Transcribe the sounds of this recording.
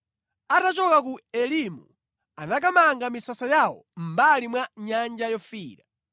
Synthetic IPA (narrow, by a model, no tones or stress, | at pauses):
atat͡ʃɔkak̬uɛlimṵ | anak̬amaŋɡamisasajawɔ̰m̩balimwaɲand͡ʒajɔfiːɾa